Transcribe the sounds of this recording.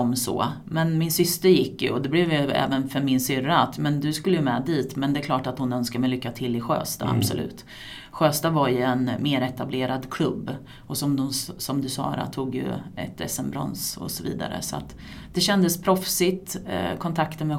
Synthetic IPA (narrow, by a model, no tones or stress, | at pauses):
ɔmsɔ̰ː | mɛnmɪnsʏst̪əɾjɪkːjɵ̰ɔd̪ɛblɛvjɵɛ̰ːvənfœɾmɪnsʏɾat̪mɛnd̪ɵskɵlːəjɵmɛːd̪iːt̪mɛnd̪ɛklɑːʈat̪hʊnœnskaɾmɛjlʏkːat̪ʰɪlːɪɧø̰ːst̪a̰a̰bsɔlʉ̟̰ːt̪ | ɧøːst̪avaɾjɵɛnmeːɾɛt̪ableːɾad̪kʰlɵbː | ɔsɔmd̪ɔmsɔmd̪ɵsɑ̰ːɾa̰t̪ʰuːɡjɵ̰ɛ̰t̪ʰɛ̰sːɛmbɾɔ̰nsɔ̰sɔvḭːd̪a̰ɾə̰sɔa̰t̪ | d̪̥ɛɕɛnd̪əspʰɾɔfsɪt̪kʰɔnt̪ʰakt̪əmɛ